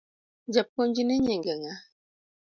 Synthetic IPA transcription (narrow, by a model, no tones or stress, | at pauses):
d͡ʒap̚kɔnd͡ʒinɛɲɛŋɡɛŋa